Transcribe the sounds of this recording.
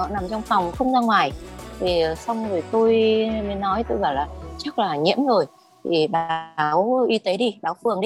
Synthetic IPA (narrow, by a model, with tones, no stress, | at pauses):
ɔ̰˧˨na˨˩mt͡ɕɔ˧wŋ͡mfɔ˨˩wŋ͡mxə˧wŋ͡mzaː˧ŋwaː˨˩jt̪ʰi˨˩˨sa˧wŋ͡mzo˨˩t̪o˧jmə˨˦jnːɔ˨˦jt̪o˧jɣɔː˧˩wlaː˨˩t͡ɕa˦˥k̚laː˨˩ɲḭ˧˥əmzo˨˩j | t̪ʰi˨˩ɓa˦wʔi˧˦t̪e˨˦ɗi˧ɓaː˨˦wfɨ˨˩əŋɗi˧